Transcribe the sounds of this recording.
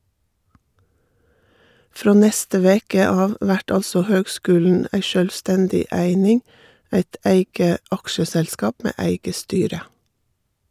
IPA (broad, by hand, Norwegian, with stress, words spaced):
ˈfɾoː ˈnɛstə ˈʋeːkə ˈɑːʋ ˈʋæʈ ˈɑlsɔ ˈhøːɡˌskʉːln̩ ˈæɪ ʃœlʋˈstɛndɪ ˈæɪnɪŋ ˈæɪt ˈʔæɪɡə ˈʔɑkʃəsɛlˌskɑːp ˈmeː ˈæɪɡə ˈstyːɾə